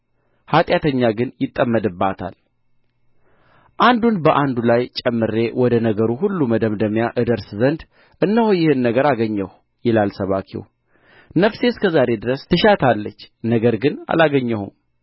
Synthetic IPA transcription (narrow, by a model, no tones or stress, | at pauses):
hat̪ʼjat̪ʰəɲːaɡɨnjɪt̪ʼːəmːəd̪ɨbːat̪ʰa̰l | ʔand̪unbəʔand̪ulajt͡ʃʼɛmːɨɾe̞wɔd̪ənəɡəɾuɦulːuməd̪əmd̪əmjaʔɨd̪əɾszənd̪ | ʔɨnːəhojɪhɨnːəɡəɾaɡəɲːəw | jɪlalsəβakʰḭw | nəfse̞skʰəzaɾe̞d̪ɨɾəst̪ʰɨʃat̪ʰalːət͡ʃːnəɡəɾɡɨna̰laɡəɲːəhṵm